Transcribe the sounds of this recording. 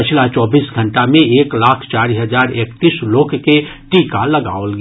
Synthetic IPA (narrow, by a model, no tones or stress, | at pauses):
ɪt͡ʃʰlat͡ʃɔːbiːsɡʱə̃ɳʈamẽeːklaːkʰt͡ʃaːɾiɦɐzaːɾeːkt̪iːsloːkʰke | ʈiːkalɐɡa̰ːolɡ